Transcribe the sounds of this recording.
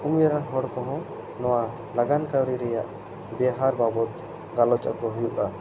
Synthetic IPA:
umjaɾaŋɦɔɽkɔɦɔ̃ | nɔwa | laɡankawɽiɾɛjaʔ | bɛɦaɾbabɔt̪ | ɡalɔt͡ʃa̰kɔɦujuʔa

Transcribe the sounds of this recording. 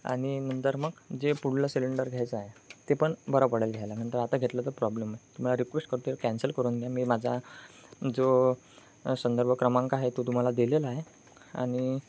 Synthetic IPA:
a̰ɽ̃inənt̪əɾməɡd͡ʑepuɽ̤ləsiliɳɖəɾɡʱjajt͡səaɦet̪epəɳbəɾapəɽəlɡʱjajlam̤əɳt̪əɾat̪aɡʱet̪lət̪əpɾɔblemaɦet̪um̤alaɾikʋesʈ̚kəɾt̪ujkænsəlkəɾuːnɡ̪ʱjamiːmad͡zʱa | d͡zo | sənd̪əɾbʱəkɾəmãŋkaɦet̪ot̪um̤alad̪ileləaɦe | a̰ɽ̃i

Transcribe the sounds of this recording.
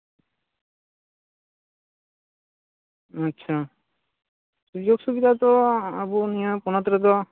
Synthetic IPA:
ətːʃʰa | sud͡ʒoɡsubid̪ʱat̪ɔabunijapunat̪ɾət̪̬ɔ

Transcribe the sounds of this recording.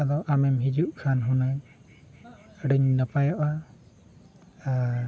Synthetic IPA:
ad̪ɔʔamɛmɦid͡ʒuʔkʰanɦuna | ɖəɲnəpajɔʔa | a

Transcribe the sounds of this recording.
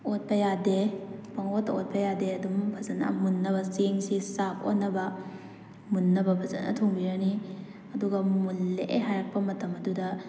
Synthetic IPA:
ot̚pɐjadebɐŋotːɐot̚pɐjadeɐdumbʱɐzɐnɐ̰munːɐbɐseŋsisap̚o̰nːɐbɐ | munːɐbɐbʱɐzɐ̰nɐ̰tʰoŋbiɾɐni | ɐduɡɐmulːeʔeɦajɾɐk̚pɐmɐtɐmɐdudɐ

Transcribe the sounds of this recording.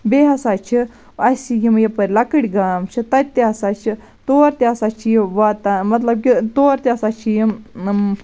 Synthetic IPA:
beɦɐsaːt͡ʃʰi | ɐsiɡimjɐpɐɾʲlɐkəɽʲiɡaːmt͡ʃʰit̪ɐt̪ːeɦɐsat͡ʃʰi | t̪oːɾt̪eɐsat͡ʃʰijʋat̪amɐt̪lɐb̚kʲit̪oːɾt̪ʲeɐsaːt͡ʃʰij

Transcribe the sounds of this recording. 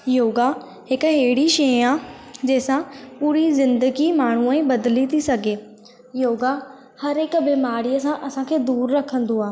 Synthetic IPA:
joːɡa | ɦɪkɦeːɪɽiʃead͡ʑeːsãpuːɾizɪ̃nd̪əɡimaːɳ̤̃uə̃bɐd̪lit̪ʰisɐɡʱeː | joːɡa | hɐɾekbeːmaːɾijəsãʔɐsãkʰeːd̪uːɾɾɐkʰə̃nd̪oaː

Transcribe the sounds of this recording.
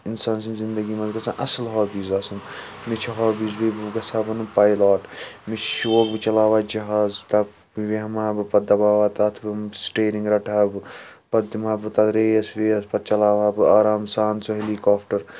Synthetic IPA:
insaːnsinzind̪ɐɡiːmɐzɡɐsãʔɐsɐlɦaːbiːzaːsɐn | mit͡ʃʰɐɦaːbiːzbibɡɐsaːbɐnupajlaːʈmit͡ʃʰʃoːk̚bɨt͡ʃɐlaːʋaːd͡ʒɐɦaːzt̪ɐ | ʋiɦɐmaːbɨpɐd̪ɐbaːʋaːt̪at̪ʰbɨsʈeːɾĩŋɡɾɐʈʰaːbɨpɐd̪imaːbɨt̪ɐt̪ɾeːjɐsʋeːɐspɐt̪̚t͡ʃɐlaːʋaːbɨaːɾaːmsaːnsoɦelikaːpʰʈɐɾ

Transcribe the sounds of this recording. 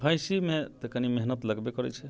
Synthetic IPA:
bʱajsimet̪ekanimeɦnət̪ləɡbekɔɾɛ̰t͡ʃʰɛ

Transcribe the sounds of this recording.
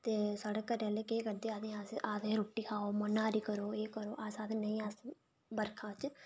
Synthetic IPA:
t̪eːsaːɽeːkəɾɛːleːkeːkəɾd̪eːaːd̪ẽːaːsʔaːd̪ẽːɾoːʈːiːkʰaːoːmənãːɾiːkəɾoːeːkəɾoːʔaːsaːd̪eːnəĩːaːs | bəɾkʰãːt͡ʃ

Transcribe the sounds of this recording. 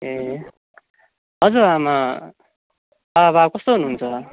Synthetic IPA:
e | ɦʌd͡zuama | baβakʌst̪oɦunuɦunt͡sʰʌ

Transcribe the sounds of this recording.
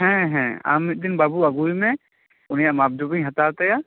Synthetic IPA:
ɦɛ̃ɦɛ̃a̰mit̚d̪inbabuaɡujmɛ̃ | ʊnijaʔmab̚d̪ubĩj̃ɦat̪at̪aja

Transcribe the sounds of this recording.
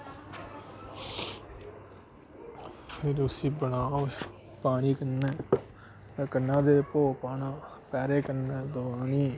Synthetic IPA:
pʰɪɾʊsiːbəɳaːo | paːɳiːkənːɛː | t̪ɛːkənːãːd̪eːpoːpaːnãːpɛːɾeːkənɛːd̪ʊbaːniː

